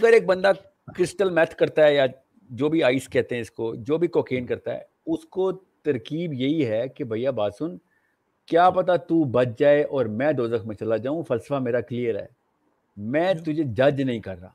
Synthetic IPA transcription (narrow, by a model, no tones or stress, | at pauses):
ɐɡəɾeːk̚bɐ̃nd̪a | kɾɪsʈəlmɛːt̪ʰkɐɾt̪aɦɛja | d͡ʒoːbʱiaːɪskɛɦt̪eɦɛ̃ɪskod͡ʒoːbʱikoːkeːnkɐɾt̪aɦɛ̰ | ʊskot̪ɐɾkiːbjɐɦiɦɛkebʱɐjabaːd̪sʊn | kjaːpɐt̪at̪ubɐt̪̚d͡ʒaːeʔɔːɾmɛ̃ːd̪oːzəkmẽt͡ʃɐlad͡ʒaːũfɐlsəfameːɾaklijəɾɦɛ̰ː | mɛ̃ːt̪ʊd͡ʒʱed͡ʒɐd͡ʒnɐɦĩkɐɾːa̰ː